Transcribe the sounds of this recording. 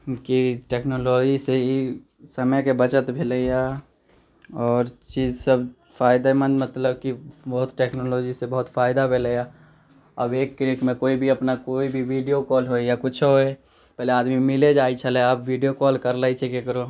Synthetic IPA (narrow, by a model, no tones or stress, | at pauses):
kiʈeknoloːd͡ʒisei | səməjkebət͡ʃət̪bʱeləja | ɔːɾt͡ʃiːzsəb | fʰaːɪd̪emə̃nd̪mət̪ləbkibəɦʊt̪ʈeːknoːloːd͡ʒisebəɦʊt̪fʰaːɪd̪abʱeləja | ɐbeːkːɾikmẽkoːibʱiəpnakoːibʱiʋiɖijokɔːlɦoejakʊt͡ʃʰɦoe | pɛɦleaːd̪mimɪled͡ʒaːit͡ʃʰəleəbʋiɖijokɔːlkəɾləit͡ʃʰekekəɾo